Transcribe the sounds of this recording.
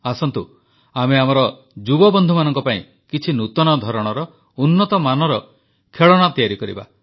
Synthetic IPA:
asɔnt̪u | ameamɔɾɔ | d͡ʒubɔbɔnd̪ʱumanɔŋkɔpaḭ̃ | kit͡ʃʰinut̪ɔnɔd̪ʱɔɾɔɽ̃ɔɾɔ | unːɔt̪ɔmanɔɾɔ | kʰeɭɔɽ̃at̪ijaɾikɔɾḭba̰

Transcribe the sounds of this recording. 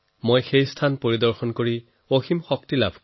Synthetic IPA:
mojxejstʰanpoɹidɔɹxɔnkoɹi | oximxɔk̚tila̰bʱ

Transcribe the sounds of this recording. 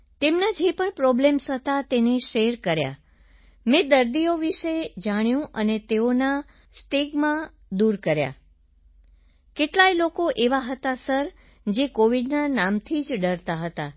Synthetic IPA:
t̪emnad͡ʒepəɳpɾɔblemsət̪at̪eneʃeɾkəɾja̰ | mɛ̃d̪əɾd̪ioʋiʃed͡ʒaɽ̃jũʔənet̪eona | sʈeɡmã | d̪uɾkəɾja̰ | keʈlajlokoʔeʋaɦət̪asəɾ | d͡ʒekoʋiɖnanamt̪ʰid͡ʒɖəɾt̪aɦət̪a

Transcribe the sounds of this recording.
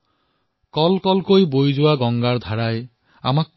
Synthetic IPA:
kɔlkɔlkojbojd͡ʒʊwaɡɔŋɡaɹd̪ʱaɹaj | a̰mak̚

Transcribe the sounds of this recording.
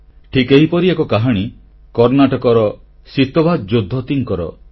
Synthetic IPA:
ʈʰikeɦipɔɾiekɔkaɦaɽ̃i | kɔɾnaʈɔkɔɾɔ | sit̪ɔbad͡ʒod̪ʱːɔt̪iŋkɔɾɔ̰

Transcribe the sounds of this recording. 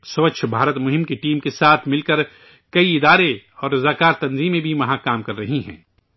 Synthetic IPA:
sɐʋəkʃʰbʱaːɾət̪mʊɦɪ̃mkeʈiːmkesaːt̪ʰmɪlkɐɾ | kɐiɪd̪aːɾeɔːɾɾɐzaːkaːɾt̪ɐnziːmẽbʱiʋɐɦãkaːmkɐɾːɐɦiɦɛ̰̃ː

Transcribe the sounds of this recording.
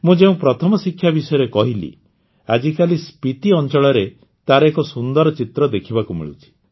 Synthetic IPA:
mũd͡ʒeũpɾɔt̪ʰɔmɔsikʰːjabisɔjɔɾekɔɦilḭ | ad͡ʒikalispit̪iɔnt͡ʃɔɭɔɾe | t̪aɾɔekɔsund̪ɔɾɔt͡ʃit̪ɾɔd̪ekʰibakumḭɭṵt͡ʃʰi̥

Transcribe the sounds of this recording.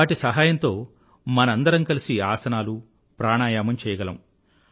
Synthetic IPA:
aːʈisɐɦaːjɐnt̪o̞ː | mɐnɐɐnd̪ɐɾɐŋkɐlisiaːsɐnaːlu | pɾaːɳaːjaːmɐmt͡ʃɛːjɐɡɐlɐ̰m

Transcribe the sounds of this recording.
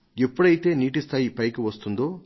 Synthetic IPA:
epːuɽɐjit̪e̞ːniːʈ̬ist̪ʰaːjipɐjkuʋɐst̪und̪o̞ː

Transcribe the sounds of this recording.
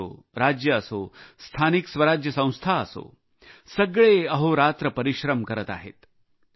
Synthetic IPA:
o̰ | ɾad͡ʑjəːsost̪ʰaniksʋəɾad͡ʑjəsə̃w̃st̪ʰaəso̰ | səɡɭeəɦoɾat̪ɾəpəɾiɕɾəmkəɾət̪a̰ɦḛt̪

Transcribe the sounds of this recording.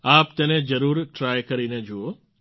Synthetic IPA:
apt̪ened͡ʒəɾuɾʈɾajkəɾined͡ʒoo

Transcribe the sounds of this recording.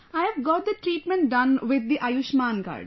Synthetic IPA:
aɪɛʋɡɔːʈ̚d̪əʈɾiːʈmɛ̃ɳʈ̚ɖʌ̃nʋɪd̪̚ːiʔajuʃmãːnɡa̰ːɾɖ

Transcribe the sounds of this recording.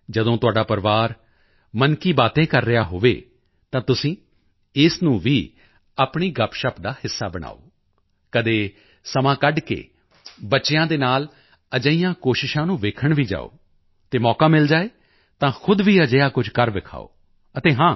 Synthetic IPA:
d͡ʒəd̪õːt̪ʊaːɖaːpəɾʋaːɾ | mənkiːbaːt̪ẽːkəɾːɪjaːɦoːʋḛː | t̪ãːt̪ʊsĩː | ɪsnũːʋiː | aːpɳiːɡəpʃəpd̪aːhɪsːa̰ːbəɽ̃a̰ːo̰ː | kəd̪eː | səmãːkəɖkḛː | bətːʃɪjãːd̪eːnaːl | əd͡ʒəijãːkoːʃɪʃãːnũːʋeːkʰəɳʋiːd͡ʒa̰ːo̰ː | t̪eːmɔːkaːmɪld͡ʒaːeː | t̪ãːxʰʊd̪ʋiːəd͡ʒəjaːkʊd͡ʒkəɾʋɪkʰa̰ːo̰ː | ət̪eːɦãː

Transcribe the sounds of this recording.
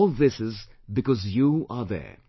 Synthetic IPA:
lˠðɪsɪzbɨkɔzjuə˞ðɛ̰˞

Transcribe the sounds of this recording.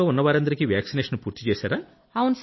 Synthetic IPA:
oːunːɐʋaːɾɐnd̪ɐɾikiʋjaːksineːʂɐnpuːɾt̪it͡ʃeːsaːɾaː | ɐʋunus

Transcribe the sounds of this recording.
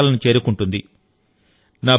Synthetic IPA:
lɐnit͡ʃe̞ːɾukuɳʈund̪i | naː

